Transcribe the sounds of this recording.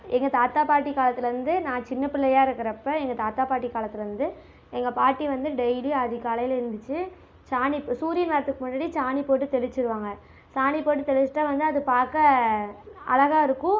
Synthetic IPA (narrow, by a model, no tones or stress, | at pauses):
ɛŋɡɐt̪aːt̪ːaːpaːʈ̬ːikːaːlɐt̪ːɪlɐɾɯnd̪ɯnãːt͡ʃɪnːɐpɪlːɐjaːɪɾɯkːɯɾɐpːɐɛŋɡɐt̪aːt̪ːaːpaːʈːikːaːlɐt̪ːɪlɐɾɯnd̪ɯ | ɛŋɡɐpaːʈːiʋɐnd̪ɯɖɛjliɐðɪkaːlɐjɪlɪɾɯnd̪ɯt͡ʃːɯ | t͡ʃaːnipːsuːɾɪjnʋɐːɾɐt̪ːɯkːɯmʊnːaːɽit͡ʃaːnipoːʈːɯt̪ɛɭɪt͡ʃːɪɾɯʋaːŋɡɐ | saːnipoːʈːɯt̪ɛlɪt͡ʃːɯ̥ʈːãːʋɐnd̪ɯɐðɯpaːɾkɐ | ɐ̰lɐɣaːɪɾɯkːʊ̃